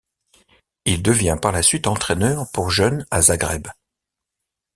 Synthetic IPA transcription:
ild̪əvjɛ̃paʁlasɥit̪ɑ̃t̪χɛnœʁpuʁʒœnazaɡʁɛb

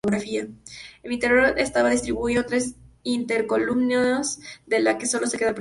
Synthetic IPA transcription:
oɣɾafiaemint̪eɾoɾest̪aβaðis̬t̪ɾiβuiot̪ɾe̞sint̪eɾko̞lumnozðe̞lake̞so̞lo̞se̞ke̞ðapɾ

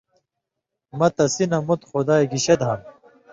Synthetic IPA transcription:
mɐt̪ɐsinɐmut̪xod̪aːeɡiɕed̪ɦɐm

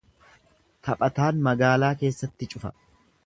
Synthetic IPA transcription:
t̪ʰɐpʼɐt̪aːnmɐɡaːlaːke̞ːsːɐt̪ːɪt͡ʃʼʊfɐ̰

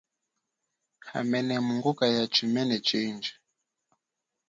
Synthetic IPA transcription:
ha̰mɛnɛmuŋɡukajat͡ʃimɛnɛt͡ʃind͡ʒɛ̥

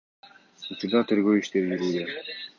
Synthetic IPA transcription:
ut͡ʃuɾd̪ɑt̪ʰeɾɡøwiʃt̪eɾjyɾuːd̪e

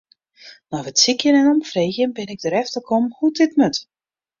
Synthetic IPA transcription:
nɔfətsikjənɛnɔmfreːxjənbɪnɪɡ̚dəɾɛftəlkʰomhutɪtmøt

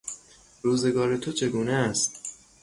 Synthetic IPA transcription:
ɾuːze̞ɡɒːɾe̞t̪ʰot͡ʃʰe̞ɡuːneæst̪̚

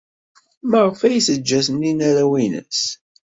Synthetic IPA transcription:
maʁəfæjisəd͡ʒːæsəninæɾæwinə̰s

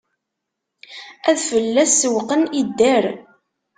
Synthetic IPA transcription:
æðfəlːæsːəwqənid̪ːæɾ

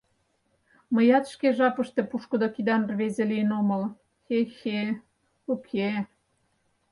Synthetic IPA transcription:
məjɑt̪ʃkeʒɑpə̆ʃt̪ĕpuʃkə̆d̪okid̪ɑnrβezeliənoməl | xexe | ukʰe

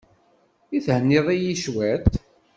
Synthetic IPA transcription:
iθhənːɪðˤijiʃwæt̪

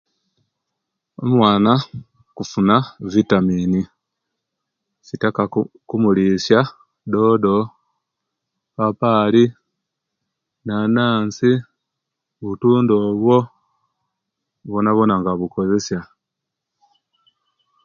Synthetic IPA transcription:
omwaːna | kufunavitamini | sitakakumulisja | do̞ːdo̞ | papaːli | nanaːnsi | βutuːndoːβwo̞ | βonaβo̞naŋɡaβuko̞ze̞sja

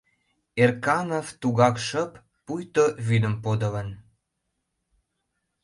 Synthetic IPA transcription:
erkɑnovt̪uɣɑkʃə̆pː | ujt̪oβyd̪ə̆mpod̪ə̆lə̆n

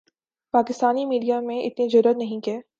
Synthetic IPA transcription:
paːkɪst̪aːnimiːɖijamẽʔɪ̰t̪nizʊɾuːɾət̪nɐɦĩkeː

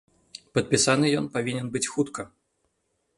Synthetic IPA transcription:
pɐt̪̚pʲisanɨjɔnpavʲinʲɛnbɨt͡sʲxut̪kɐ

